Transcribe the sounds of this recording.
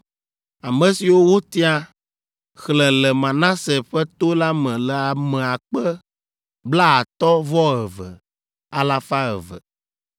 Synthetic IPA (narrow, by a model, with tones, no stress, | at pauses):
a˨mɛ̃˨si˨wo˦wo˦t̪i˦a˦ | xlɛ̃˨lɛ˨mã˨nã˦sɛ˨ɸɛ˦t̪o˦la˦mɛ̃˨lɛ˨a˨mɛ̃˨a˨k͡pɛ˦ | bla˦a˨t̪ɔ˦vɔ˦ə˨və̰˨ | a˨la˦fa˦ə̰˨və̰˨